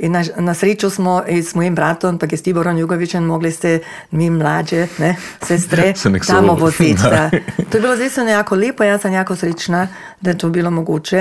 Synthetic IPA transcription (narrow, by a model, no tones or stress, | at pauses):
inanasɾeːt͡ʃusmɔismɔːjimbɾaːt̪ɔmpak̬ɛst̪ibɔɾɔnjuːɡoʋit͡ʃɛnmoːɡlist̪ɛ | miːmlaːd͡ʒɛnɛsɛːst̪ɾɛsɛmɛksamɔpot̪it̪at̪oːjebilozd̪eːjst̪ʋnɔjaːkɔleːpɔjaːsanjaːkosɾeːt͡ʃna | d̪ajɛt̪oːbilomoɡuːt͡ʃɛ